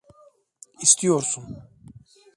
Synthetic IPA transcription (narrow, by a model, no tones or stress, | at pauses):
ist̪ijoɾsun